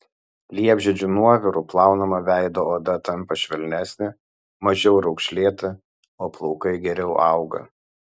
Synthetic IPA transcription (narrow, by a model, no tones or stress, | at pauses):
lʲiɛbʲʒʲɛd͡ʒʲuːnuɔʋʲɪɾuplˠɑˑʊnomɐʋʲæˑɪd̪oːoːd̪ɐt̪ɐmpɐʃʲʋʲɛlʲnʲæsʲnʲɪ | mɐʒʲɛʊɾɒʊkʃʲlʲeːt̪ɐ | oːplˠɔʊkɐɪɡʲɛɾʲɛʊʔɑˑʊɡɐ̰